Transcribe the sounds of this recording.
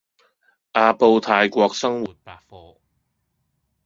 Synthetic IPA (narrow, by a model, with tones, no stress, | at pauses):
ʔaː˧po˧wt̪ʰaː˧jkʷɔː˧k̚sɐ˥ŋwuː˨˩t̚paː˧k̚fɔː˨˧